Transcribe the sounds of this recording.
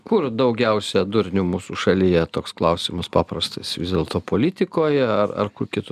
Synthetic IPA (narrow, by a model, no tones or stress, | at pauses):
kʊrd̪ɐʊɡʲɛʊsʲɛd̪ʊɾʲnʲʊmuːsuʃɐlʲijɛt̪oːksklˠɐʊsʲɪmɐspɑːpɾɐst̪ɐsʋʲɪzʲdʲeːlˠt̪oːpoːlʲɪt̪ʲɪkoːjɛɐrɐ̰rkʊrkʲɪt̪ʊ